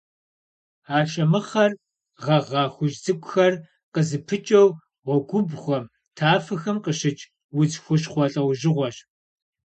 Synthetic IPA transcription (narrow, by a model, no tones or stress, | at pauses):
aːʃʼɐmɨχɐr | ʁɐʁɑːxʷʊʒd͡zɨkʷʼʊxɐr | qəzɨpʰɨt͡ʃʼɐw | ʁʷɔɡʷʊbχʷɔm | tʰaːfɐxɐmqəɕɪt͡ʃʼ | wʊt͡sxʷʊɕχʷɔɬʼɐwʒɪʁʷɔɕ